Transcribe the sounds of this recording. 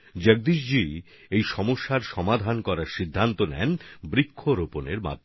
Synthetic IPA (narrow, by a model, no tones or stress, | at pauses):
d͡ʑeɡ̚d̪iʃd͡ʑi | ejʃɔmoʃːaɾʃɔmad̪ʱankɔɾaɾʃid̪ʱːant̪onɛ̰nbɾikʰːoɾoponeɾma̰d̪ʱ